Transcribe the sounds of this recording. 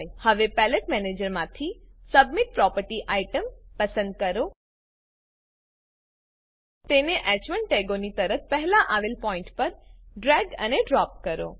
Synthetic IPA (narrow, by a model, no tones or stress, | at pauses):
jhəʋepɛləʈmɛned͡ʒəɾmãt̪ʰisəbmiʈ̚pɾɔpəɾʈiʔaiʈəmpəsə̃nd̪̚kəɾo | t̪eneʔɛt͡ʃʋəɳʈeɡonit̪əɾət̪̚ʰpəɦlaʔaʋelpɔɪ̃ɳʈpəɾɖɾɛɡə̰neɖɾɔp̚kəɾo̰